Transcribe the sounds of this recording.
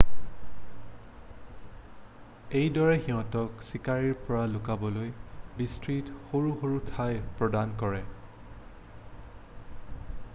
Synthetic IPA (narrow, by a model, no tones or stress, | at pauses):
ejdɔɹɛxiɦɔ̃tɔksikaɹiɹpɔɹalʊkabɔlojbistɹitxoɹuxoɹutʰajpɹɔdankɔɹɛ